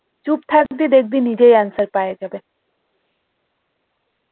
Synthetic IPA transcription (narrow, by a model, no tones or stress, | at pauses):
t͡ʃup̚t̪ʰakd̪id̪ek̚ʰd̪inid͡ʑejansəɾpajed͡ʒɐbe